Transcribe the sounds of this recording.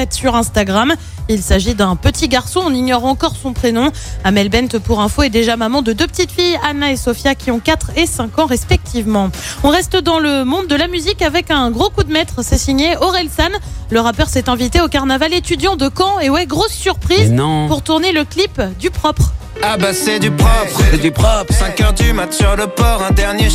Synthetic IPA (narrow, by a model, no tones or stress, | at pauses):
ɛt̪syʁɛ̃st̪aɡʁam | ilsaʒid̪ɛ̃pət̪ʰiɡaʁsɔ̃ɔ̃niɲɔʁɑ̃kɔʁsɔ̃pχenɔ̃ | amɛlbɛnt̪puʁɛ̃foɛd̪eʒamamɑ̃d̪əd̪øpət̪it̪fijanaesɔfjakʲiɔ̃kat̪χesɛ̃kɑ̃ʁɛspɛk̚t̪ʰivmɑ̃ɔ̃ʁɛst̪d̪ɑ̃ləmɔ̃d̪ːəlamyzikavɛkɛ̃ɡʁokud̪mɛt̪χsɛsiɲeɔʁɛlsanləʁapœʁsɛt̪ɛ̃vit̪eokaʁnavalet̪yd̪jɑ̃d̪əkɑ̃ewɛɡʁosːyʁpχizñpuʁt̪uʁneləklipd̪ypχɔpχ | abasɛd̪ypχɔpχɛd̪ypχɔpχsɛ̃kœʁd̪ymat̪syʁləpɔʁɛ̃d̪ɛʁnje